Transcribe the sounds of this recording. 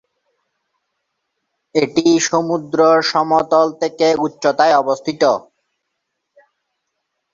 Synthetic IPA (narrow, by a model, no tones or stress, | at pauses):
eʈiʃomud̪ɾoʃɔmɔt̪olt̪ʰekeutːɕot̪aeɔbost̪ʰit̪o